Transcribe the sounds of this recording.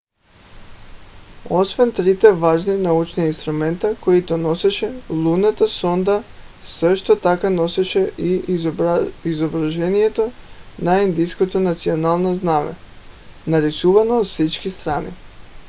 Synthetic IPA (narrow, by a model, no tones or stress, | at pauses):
o̞sʋent̪ɾit̪eʋaːʒninaut͡ʃniinst̪ɾument̪akojit̪ono̞seʃelˠunet̪asond̪a | sʋeʃt̪ot̪akano̞seʃeʔi | izobɾaʒenijet̪onajind̪iskot̪onat̪sionalˠnaznaʋḛ | naɾisuːʋanoosit͡ʃkist̪ɾaːnḭ